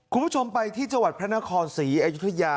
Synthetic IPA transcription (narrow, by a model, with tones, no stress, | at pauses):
kʰu˧nmpʰu˥˩t͡ɕʰo˧mpa˧jt̪ʰiː˥˩t͡ɕa˧ŋwa˨˩t̪̚pʰɾna˦˥kʰɔː˧nsiː˩˦ʔaː˧ju˦˥t̪ʰːa˧jaː˧